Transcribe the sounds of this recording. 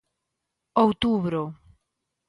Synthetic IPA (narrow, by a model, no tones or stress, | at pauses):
owt̪uβɾo